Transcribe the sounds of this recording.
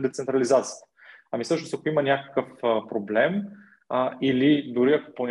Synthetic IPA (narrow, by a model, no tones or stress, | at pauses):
d̪ɛt̪sɛnt̪ɾɐlizat̪sijət̪ə̥ɐmisɤʃnosɐkoimənʲakə̥kəfəpɾoblɛm | ilid̪ʊɾiɐko̥ponʲ